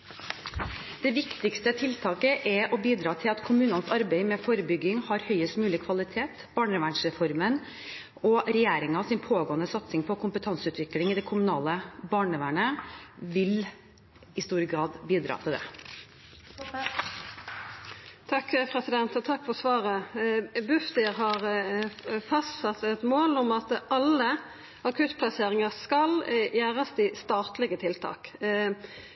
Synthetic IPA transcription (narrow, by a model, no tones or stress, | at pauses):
d̪̥ɛʋɪkt̪ɪkst̪ət̪ʰɪlt̪ʰɑːkəʔɛɾɔbiːd̪ɾɑːt̪ʰɪlɑt̪kʰʊmʉːnənsɑɾbɛɪmɛfɔɾəbʏɡːɪŋhɑɾhœʏəst̪mʉːlɪkʰʋɑlɪt̪ʰeːt̪b̥ɑːɳəʋæɳʂɾɛfɔɾmən | ɔɾɛjeːɾɪŋɑsɪnpʰoːɡoːənəsɑt̪sɪŋpʰɔkʰʊmpət̪ʰɑnsʉːt̪ʰʋɪklɪŋɪd̪ɛkʰʊmʉnɑːləbɑːɳəʋæɳəʋɪl | ɪst̪uːɾəɡɾɑːd̪biːd̪ɾɑ̰ːt̪ʰɪld̪ɛ̰ | t̪ʰɑkːpʰɾɛsɪd̪ɛnt̪ɔt̪ʰɑkːfɔsʋɑːɾəbʉfd̪ɪɾɦɑɾ | fɑst̪sɑt̪ɛt̪moːlʊmɑt̪ʔɑlːə | ɑkʰʉt̪pʰlɑseːɾɪŋɑskɑljæːɾɑsd̪ɪst̪ɑːt̪lɪɡət̪ʰɪlt̪ʰɑ̰ːk